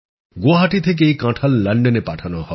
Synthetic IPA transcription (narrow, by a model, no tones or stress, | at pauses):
ɡoaɦaʈit̪ʰek̬eejkãʈʰalːɐɳɖenepaʈʰanɔɦɔ